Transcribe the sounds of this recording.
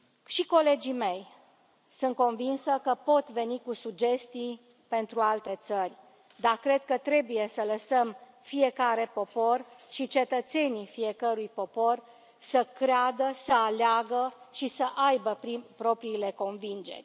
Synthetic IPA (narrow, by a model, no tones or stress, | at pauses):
ʃiko̞le̞d͡ʒime̞j | sɨnt̪̚ko̞nvinsəkəpo̞t̪ve̞nikusud͡ʒe̞st̪ij | pe̞nt̪ɾualt̪e̞t̪sərʲ | d̪akɾe̞d̪̚kət̪ɾe̞buje̞sələsəm | fije̞kaɾe̞po̞po̞rʃit͡ʃe̞t̪ət̪se̞nifie̞kəɾujpo̞po̞r | səkɾead̪əsəaleaɡəʃisəʔajbəpɾipɾo̞pɾiːle̞ko̞nvind͡ʒe̞̰rʲ